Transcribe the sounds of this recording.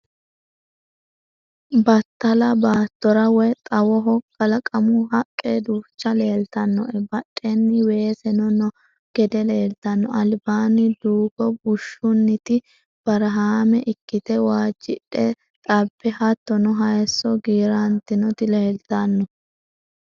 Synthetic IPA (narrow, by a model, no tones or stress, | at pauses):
bɐt̪ːɐlɐbaːt̪ːɔɾɐwɛt̪ʼɐwɔɦɔkʼːɐlɐkʼɐmʊɦɐkʼːed̪uːt͡ʃːɐle̞ːlt̪ɐnːɔ̰ʔɛbɐɗʼːɛnːɪwe̞ːsɛnɔnɔ | ɡ̥ɛd̪ɛle̞ːlt̪ɐnːɔʔɐlbaːnɪd̪uːɡɔbʊʃːʊnːɪt̪ɪ | b̥ɐɾɐɦaːmɛʔɪkːɪt̪ɛwaːd͡ʒːɪᶑɛ | t̪ʼɐbːɛhɐt̪ːɔnɔɦɐjɛsːɔɡiːɾɐnt̪ɪnɔt̪ɪleːlt̪ɐnːɔ